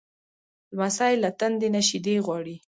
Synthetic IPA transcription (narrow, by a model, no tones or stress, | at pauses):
d̪əmasɑɪlat̪and̪enaʃid̪eɣwɑɽi